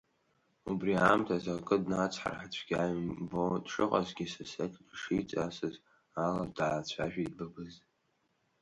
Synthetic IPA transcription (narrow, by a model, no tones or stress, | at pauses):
ubriamtʰazakʼɨdnat͡sʷʰħa̰rħat͡ɕʷʰɡ̥ʲajmbodʂɨqʼa̰zɡʲisasetʰʲʼdʂit͡sʼasɨz | aladaːt͡ɕʷʰaʒᶣaidbɨbɨz